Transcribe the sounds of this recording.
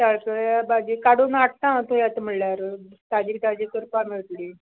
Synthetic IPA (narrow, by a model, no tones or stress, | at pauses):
t̪aɭkəɭabad͡ʑikaɽonaʈ̚ʰt̪ãt̪ojat̪m̤əɽljaɾt̪ad͡ʑiːkt̪ad͡ʑikːəɾpamiɭt̪ɽi